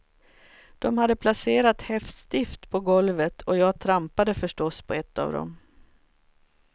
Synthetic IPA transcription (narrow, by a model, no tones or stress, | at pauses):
d̪̥ɔmhad̪ːəpʰlaseːɾat̪hɛft̪st̪ɪft̪pʰɔɡɔlvət̪ʰɔjɑːɡt̪ʰɾampad̪əfœʂʈɔspʰɔɛt̪ːa̰ːvd̪ɔ̰m